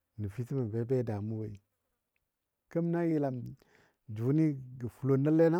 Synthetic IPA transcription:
ni˨fi˦ti˦ma˨be˨˦be˦da˨mu˦we˨i˨ | kə˦m˦na˦ji˦la˨m | d͡ʒu˨˦ni˦ɡə˨fu˨lo˦nə˦le˦na˦

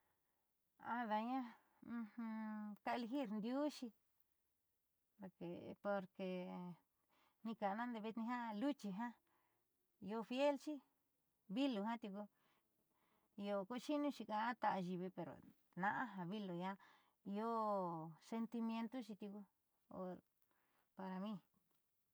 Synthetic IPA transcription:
a˧ða˧ɲã˦˧ | hũ˧ka˧e˧le˧xi˦˨ɾnd̪ju˦ʃi˧ | o˨ke˨po˧ɾke˨ | nĩ˧ka˨˧nã˦nd̪e˧βi˧t̪nĩ˧ɦã˦lu˦t͡ʃi˧ɦã˦˧ | o˧fje˦lt͡ʃi˦ | βi˦lu˨˧ɦã˦t̪u˧ku˧ | jo˧ko˦˧ʃi˦nũ˦t͡ʃi˧ka˧a˦t̪a˧ʔa˧ʒi˧˨βi˧pe˨ɾo̰˨ | nã˧ʔã˦ɦã˧βi˦lu˨ja˦ | i˧o˦se˧nt̪i˧mj̃ẽ˧nt̪o˦t͡ʃi˧t̪u˧ku˧ | o̰˧ | pa˧ɾa˧mĩ˦

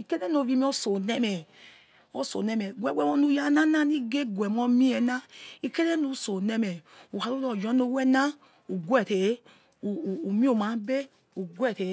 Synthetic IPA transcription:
i˨ke˦ɾe˦no˨vi˦mi˦o˦so˨ne˦me˨ | o˦so̰˨ne˦me˨ɡʷe˦ɡʷe˦mo˦nu˦ja˦na˦na˦ni˦ɡe˦ɡwe˨mo˦mi˦e˨na˦i˨ke˦ɾe˦nu˦so˨ne˦me˨u˨ha˨ɾo˦lo˨d͡ʒɔ˦no˦we˦na˦ | u˨ɡʷe˦˨te˨˦ | u˨u˨mi˦o˦˨ma˨˦be˦ | u˨ɡwe˦˨te˨

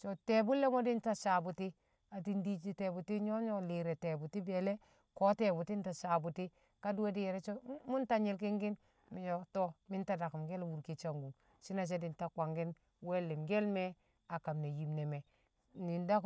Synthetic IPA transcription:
t͡ʃo˨te˨bu˦lːe˦mo˦di˦nta˦˨sa˨bu˨ti˦ | a˨ti˦ndi˦i˦te˨bu˨ti˦ɲo˦ɲo˦li˨ɾe˨te˨bu˨ti˦be˨le˦ | ko˦te˨bu˨ti˦n˦ta˨sa˨bu˨ti˦ | ka˦du˦we˦di˦je˨ɾɛ˦t͡ʃo˦mu˦nta˦ɲi˦lk̬i˦ŋɡi˦n | mi˨jo˨to˦mi˦nta˦da˨ku˨mɡe˦lwu˨ɾki˨t͡ʃa˨ŋɡu˨ | si˦na˨t͡ʃ̬e˦di˨nta˨kʷa˨ŋɡi˦n | we˦lːi˨mɡe˦lme˦ | a˨ka˨mne˨ji˨mne˨me˨ | ni˨nda˦k

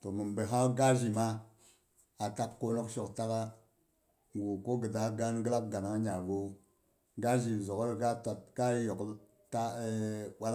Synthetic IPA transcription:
to˨mə˨mbe˨ɦa˦ɡa˦ʒi˨ma˦ | a˨ta˦kkːo˦no˦kʃo˨kta˦ka˦ | ŋɡu˨ko˦ɡə˨da˦ɡa˦nɡə˦la˦b̚ɡa˨na˨ŋ˦ɲa˨ɡo˦ | ɡa˦ʒi˨zo˨kɾɡa˦ta˨t̚ka˦jo˨k | ta˦ɓa˦

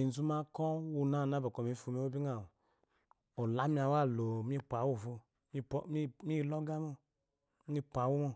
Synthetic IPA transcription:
i˨n˨zu˦ma˦kɔ˦wu˧na˦˨na˨˦ba˨kɔ˨mi˨˦fu˨˧mi˦o˦bi˦ŋa˨ | o˨la˨˦mi˦a˨wa˦˨lo˨m˦i˦pʷa˨˦wu˦˨fo˧˦ | mi˦˨lɔ˦ɡa˦m˦o˦ | mi˦pa˨˦wu˦mo˦˨

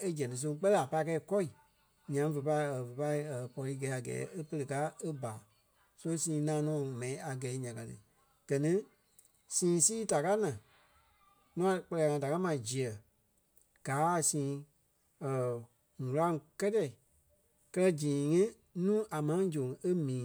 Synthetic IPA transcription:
e˦d͡ʒɛ̃˨nĩ˨˧s̬õ˧ŋ˦k͡pɛ˦lɛ˦a˨pa˧i˦˧kɛ˧˦i˧˨kɔ˦i˨ | ɲã˨˦və˨pa˧i˦ə˨və˨pa˧i˦˨ə˨pɔ˧liː˧˦ɡɛ˨˦a˨ɡɛ̰ː˨˦e˦pə˧le˧ka˦e˦ba˨ | so˦o˦sĩː˨˧˦nãː˦nɔ̃ː˨mɛ̃˨ĩ˦a˨ɡɛ˨i˦ɲã˨ka˨tɨ̰˨ | ɡ̥ɜ˨nĩ˦ | sĩː˨˦siː˦ta˨ka˦nã˨ | nũ˦a˨k͡pɜ˧lɛ˧a˨ŋã˧˨da˨ka˦mã˨d͡ʒi˨ɜ˨ | ɡ̥aː˨˦˨sĩː˨˦ | ə˨ | ŋũ˨la˦ŋ˧kɛ˦tɛ˨i˨ | kɜ˦lɜ˦d͡ʒĩː˨˦ŋĩ˦ | nũː˦ʔa˨mã˨˦d͡ʒõ˨ŋe˦mĩː˨˦

